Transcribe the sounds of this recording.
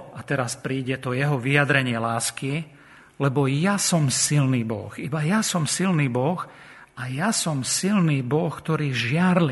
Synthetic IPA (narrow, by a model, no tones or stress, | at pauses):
at̪ɛɾaspɾiːɟɛt̪ɔjɛɦɔʋijad̪ɾɛɲɪɛlaːski | lɛbɔjasɔmsilniːbɔ̰xibajasɔmsilniːbɔx | ajasɔmsilniːbɔxkt̪ɔɾiːʒɪaɾli